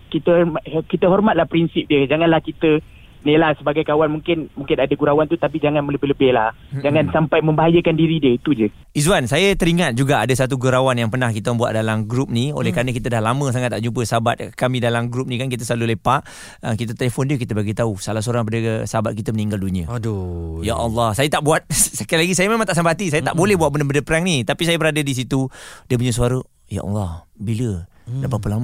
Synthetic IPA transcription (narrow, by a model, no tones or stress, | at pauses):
kit̪əkit̪əɦɔrmat̪̚lahpɾinsɪp̚diəd͡ʒaŋanlahkit̪ə | nilahsəbaɡajkawanmuŋkɪnmũŋkɪnadaɡuɾawant̪ut̪apid͡ʒaŋanmələbɪhləbɪhlah | d͡ʒaŋãnsampajmə̃mbaɦajəkandiɾidiəit̪ud͡ʒə | izwansajət̪əɾiŋat̪̚d͡ʒuɡaadəsat̪uɡuɾawanjaŋpənahkit̪əməmbuwa̰t̪̚dalamɡɾup̚nio̰lɛhkaɾənəkit̪ədahlamə̃s̬aŋat̪ːaʔd͡ʒumpəsaabat̪̚kamĩdalamɡɾup̚nĩkankit̪̬əslalulepaʔ | əkit̪ət̪əlefɔndiək̬it̪əbaɡit̪ausalahs̬oɾaŋp̬adəsaabat̪̚kit̪əməniŋɡalduniə̰ | jaʔɑlːɑhsajət̪aʔbuat̪̚səkajlaɡis̬ajəmẽmaŋt̪aʔsəmpaat̪isajət̪aʔbolɛhbuat̪̚bəndəbəndəpəɾaŋnit̪apisajəbəɾadədis̬it̪udiəpuɲəs̬uaɾə | ja̰ʔɑ̰lːɑh | bilə | dapapəlamə